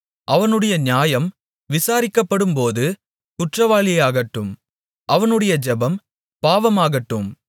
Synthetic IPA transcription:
ʔɐʋɐnɯɽɐjɐnɪjaːjɐm | ʋɪsaːɾɪkːɐpːɐɽɯmpoːðɯ | kʊʈrɐʋaːɭɪjaːɣɐʈːɯm | ʔɐʋɐnɯɽɐjɐd͡ʒɐbɐm | paːʋɐmaːɣɐʈːɯm

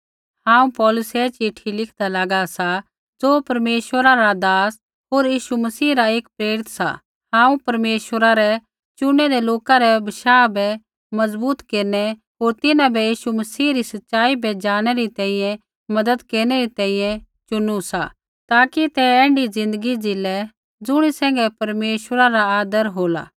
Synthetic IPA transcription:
hãːũpɔːlʊsɛt͡ʃɪʈʰilɪkʰd̪alaːɡasa | d͡zoːpɐɾmeːʃwəɾaɾad̪aːs | ɦoːɾjiːʃumɐsiːɾaeːkpɾeːɾɪt̪sa̰ | hãːũpɐɾmeːʃʋəɾaɾɛ | t͡ʃʊɽ̃ɛɾɛloːkaɾɛbɐʃaːbɛ | mɐzbuːt̪keːɾnɛ | ɦoːɾt̪ɪnãbʱɛjiːʃumɐsiːɾisɐtːʃaːibʱɛd͡ʒaːɽ̃ɛɾit̪ɛ̃ːĩjɛ̃ | mɐd̪əd̪keːɾñɛɾit̪ɛ̃ːĩjɛ̃ | t͡ʃʊnusa̰ | t̪aːkit̪ɛɛ̃ːɳɖid͡zɪ̃nd̪əɡid͡zɪlɛ | d͡zʊɽ̃isɛ̃ːŋɡɛpɐɾmeːʃwəɾaɾaaːd̪əɾɦoːla̰

